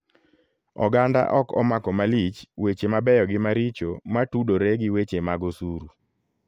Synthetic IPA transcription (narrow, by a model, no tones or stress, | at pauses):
ɔ̰ɡanda̰ʔɔkɔ̰makɔmalit͡ʃwet͡ʃemabɛjɔɡɪmaɾit͡ʃomatudoɾeɡɪwet͡ʃemaɡosuɾu